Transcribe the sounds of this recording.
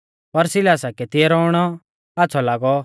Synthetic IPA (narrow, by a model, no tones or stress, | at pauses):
pɐɾsɪlaːsakɛt̪ɪɛɾɔʊɽ̃ɔ | aːtːsʰɔlaːɡɔ